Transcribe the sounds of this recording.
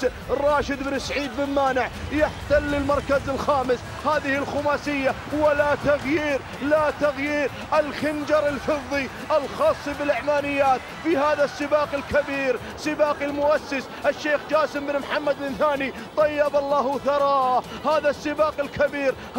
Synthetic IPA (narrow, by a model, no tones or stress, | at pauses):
rˤːɑːʃɪd̪bnɪsaʕiːd̪̚bɪlmaːnɪʕjɪħt̪alːɪlmɑɾˤkazɪlxaːmɪs | haːðɪhɪlxʊmaːsɪjːa | walat̪aɣjiːɾ | lat̪aɣjiːɾ | ʔɪlxɪnd͡ʒɑɾˤɪlfɨðˤːi | ʔɪlxɑːsˤːibɪlʔɪʕmaːnɪjːaːt̪ | fihaːðasːɪbaːqɪlkabiːɾ | sɪbaːqɪlmʊʔasːɪs | ʔɪʃːeːxd͡ʒaːsɪmbɪnmħamːad̪̚bɪnθaːni | t̪ˤɑjːɑbɑlˤːɑːhθɑɾˤɑːhaːðasːɪbaːqɪlkabiːɾ